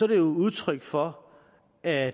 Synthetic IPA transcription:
sɒɾe̝jouðˠt͡sʰʁœɡ̥fɒ̽ | æ

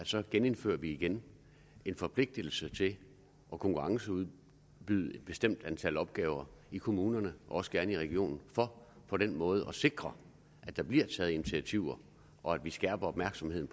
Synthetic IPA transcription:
æd̥sɒ̽ɡ̥ene̝nfø̰ːɐʋiːɡ̥en | e̝nfɒ̽pʰle̝ɡ̥̚d̥əl̩sət͡sʰe̝l | ʔɒ̽kʰɒ̽ŋkʰuʁɑ̈ŋsəuð̞ˠ | b̥yð̞̩̰ˠe̝d̥b̥e̝sd̥em̰d̥ænt͡sʰælɒ̽b̥̚ɡ̥ɛːʊɐikʰo̝muːnɐnəʔɒɒ̽sɡ̥æɐnəiʁɛɡ̥io̝̰ːnn̩fɒ̽ | pʰɒ̽ɾenmɔ̽ːð̞̩ˠʔɒ̽se̝ɡ̥ʁɐ | ʔæd̥ɑ̈b̥liɐ̰t͡sʰɛːð̩ˠinit͡sʰiæt͡sʰiʊ̰ɐ | ʔɒ̽æd̥ʋisɡ̥æːb̥ɐɒ̽b̥mæɐɡ̥sɒ̽mhe̝ð̰ˠn̩

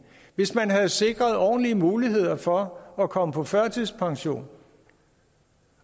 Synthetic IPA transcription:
ʋe̝smænɦæð̩ˠse̝ɡ̥ʁɐð̞ˠɒ̰ːn̩liəmuːliɦe̝ð̞̰ˠɐfɒ̽ɒkʰɒ̽məpʰɒ̽fɶɐ̰t͡sʰiðˠspʰɑ̈ŋɕo̝̰ːn

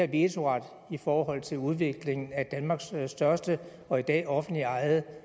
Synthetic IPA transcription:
æbiet͡sʰo̝ʁɑ̈d̥ | ifɒːɦɒ̽l̰t͡sʰe̝luð̞ˠʋe̝ɡ̥le̝ŋn̩æd̥ænmɑ̈ːɡ̥sːd̥ɶɐsd̥ə | ɒ̽id̥ɛ̰ːɒ̽fn̩d̥liɑ̈ɪð̩ˠ

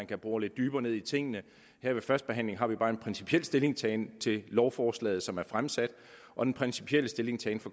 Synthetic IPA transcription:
ænkʰæb̥ʁuːle̝d̥ːyːb̥ɐːne̝ð̞ˠit͡sʰe̝ŋ̰ənə | heɐʋe̝fɶɐsd̥̚b̥e̝ɦæn̰le̝ŋɦɑ̈ʋib̥ɑ̈ːe̝npʰʁɛnsi̥pʰiel̰sd̥e̝le̝ŋst͡sʰɛːnt͡sʰe̝lɒʊfɒːslɛ̰ːð̩ˠsɒ̽mæɐfʁamsæd̥ | ʔɒ̽d̥enpʰʁɛnsi̥pʰiel̰əsd̥e̝le̝ŋst͡sʰɛːnfɒ̽

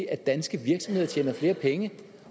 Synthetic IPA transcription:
iæ̥ænsɡ̥əʋiɐɡ̥sɒ̽mhe̝ðˠt͡ɕʰeːnɐfle̝ːɐpʰeŋə

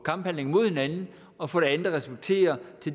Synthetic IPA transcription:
kʰɑ̈mb̥hæn̰le̝ŋmo̝ð̞̰ˠhe̝nænn̩ | ɒ̽fɒ̰ːɾ̥e̝ænðˠɐʁɛsult͡sʰe̝̰ːɐt͡sʰe̝

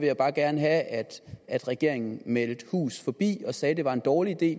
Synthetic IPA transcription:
ʋe̝jäɪbɑ̈ːɡ̥æɐnəɦææd̥æd̥ʁɛɡ̥e̝ɐ̰e̝ŋn̩meld̥hṵːsfɒ̽b̥ḭːɒ̽sɛːd̥e̝ʋɑ̈e̝nd̥ɒːliid̥e̝̰ː

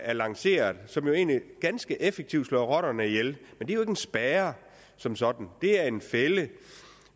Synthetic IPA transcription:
æɐlɑ̈ŋse̝̰ːɐðˠsɒ̽mjo̝e̝̰ːnliɡ̥ænsɡ̥əʔefeɡ̥̚t͡sʰiʊd̥slɒ̰ʁɒ̽ɾ̥ɐnəijelmend̥e̝ɐjoeɡ̥ensb̥ɛːɐ | sɒ̽msɒ̽d̥n̩d̥e̝æɐe̝nfelə

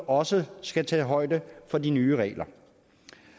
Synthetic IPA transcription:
ʔɒ̽səsɡ̥æt͡sʰɛ̰ːɦɒ̽ɪ̰d̥əfɒ̽dinyːʁɛ̰ːlʔɐ

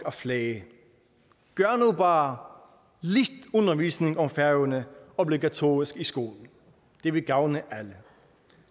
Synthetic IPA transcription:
ɒfleː | ɡ̥ɶɐnuːbɑː | lid̥ɔnɐʋiːsnɪ̝ŋɒ̽mfæɐʊnəɔbliɡæt͡sʰo̝̰ːʁisɡ̥isɡ̥o̝̰ːln̩ | d̪̥e̝ʋe̝ɡ̥ɑ̈ʊnəʔælə

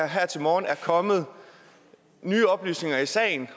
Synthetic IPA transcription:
ɐɦæɐ̰t͡sʰe̝lmɒːnæɐkʰɒ̽mð̞̩ˠ | nyːɒ̽b̥ly̰ːsne̝ŋɐisɛ̰ːɪn

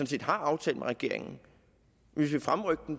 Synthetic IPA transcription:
ɔ̽nse̝̰ːd̥hɑ̈ɑ̈ʊt͡sʰɛ̰ːləmeʁɛɡ̥e̝ɐ̰e̝ŋn̩ | ʋisʋifʁamʁœɡ̥̚d̥n̩

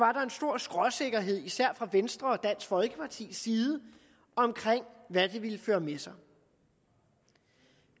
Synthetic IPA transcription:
ʋɑ̈ɾɑ̈e̝nsd̥o̝ɐ̰sɡ̥ʁɒ̽se̝ɡ̥ɐɦe̝ð̞̰ˠisæɐ̰fʁɑ̈ʋensd̥ʁɐɒ̽d̥æn̰sfɒ̽lɡ̥əpʰɑ̈t͡sʰḭːsːiːð̞ˠə | ɒ̽mkʰʁeŋ̰ʋæd̥e̝ʋiləføːɐmesɑ̈ɪ

